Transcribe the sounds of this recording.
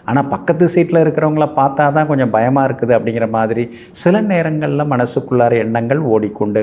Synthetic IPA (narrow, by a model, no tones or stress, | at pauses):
aːnaːpɐkːɐt̪̬ːɯsiːʈːɪlɐɪɾɯkːɪɾɐʋɐŋɡɐɭɐpaːɾt̪aːt̪ãːkɔɲd͡ʒɐ̃mbɐjɐmaːɪɾɯkːɯðɯɐpːɐɽɪŋɡɪrɐmaːðɪɾi | sɪlɐneːɾɐŋɡɐɭɪlɐmɐnɐsɯkːɯɭːaːɾɐɛɳːɐŋɡɐɭoːɽikːɔɳɖɯ